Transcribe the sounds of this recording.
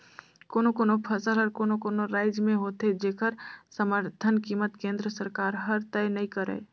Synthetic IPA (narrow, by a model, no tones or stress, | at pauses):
koːnokoːnopʰəsəlɦəɾkonokonoɾaɪd͡ʒmẽɦot̪ed͡ʒekəɾsəməɾt̪ʰənkimət̪kẽnd̪ɾəsəɾkaɾɦəɾt̪əjnəĩkəɾə̰